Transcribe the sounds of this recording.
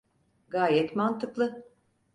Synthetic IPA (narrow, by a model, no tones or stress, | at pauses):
ɡaːjɛt̪mant̪ʰɯklˠɯ